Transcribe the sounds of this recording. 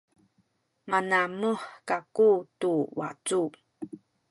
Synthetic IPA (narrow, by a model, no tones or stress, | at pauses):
manaməħkakutuwa̰t͡su